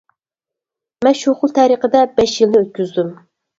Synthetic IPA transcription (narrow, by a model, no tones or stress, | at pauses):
mɛnʃoχʊlˠt̪ʰæɾiqəd̪ɛbɛʃjilnɪøt̪̚kʲyzd̪ym